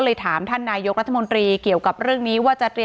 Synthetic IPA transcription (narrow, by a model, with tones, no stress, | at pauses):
lɤː˧jt̪ʰaː˩˦mt̪ʰaː˥˩nːaː˧jo˦˥k̚ɾa˦˥t̪ʰːa˧mo˧nt̪ɾiː˧ki˨˩əwka˨˩p̚ɾɯ˥˩əŋniː˦˥waː˥˩t͡ɕa˨t̪ɾi˧